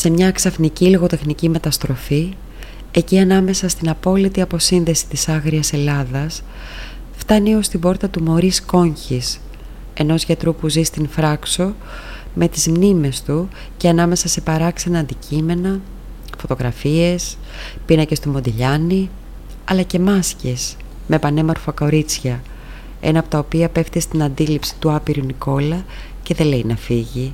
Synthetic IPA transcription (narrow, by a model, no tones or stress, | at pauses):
se̞mɲɐksɐfniciloɣo̞t̪e̞xnicime̞t̪ɐst̪ɾo̞fi | e̞ciɐnɐme̞sɐst̪inɐpo̞lit̪iɐpo̞sinðe̞si̥t̪isɐɣɾiɐse̞lɐðɐs | ft̪ɐnio̞st̪ibo̞ɾt̪ɐt̪umo̞ɾisko̞ɲçis | e̞no̞zʝɐt̪ɾupuzist̪infɾɐkso̞ | me̞t̪izmnime̞st̪u | ceɐnɐme̞sɐse̞pɐɾɐksɐnɐːnd̪icʰime̞nɐ | fo̞t̪o̞ɣɾɐfie̞s | pinɐce̞st̪omo̞d̪iʎɐni | ɐlɐce̞mɐsces | me̞pɐne̞mo̞ɾfoko̞ɾit͡sçɐ | e̞̰nɐːpo̞t̪ɐopiɐpe̞ft̪est̪inɐnd̪ilipsi̥t̪uɐpiɾuniko̞lɐ | ce̞ðe̞le̞inɐfiʝi